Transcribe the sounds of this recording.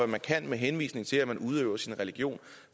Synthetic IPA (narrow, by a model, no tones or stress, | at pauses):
æmænkʰæn̰meɦenʋḭːsne̝ŋt͡sʰe̝læmænuð̞ˠø̰ʊ̰ɐsinʁɛliɡ̥jo̝̰ːn